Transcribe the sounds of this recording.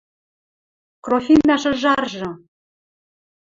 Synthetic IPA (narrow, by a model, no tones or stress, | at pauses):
krofinːɑʃɤ̆ʒɑrʒɤ̆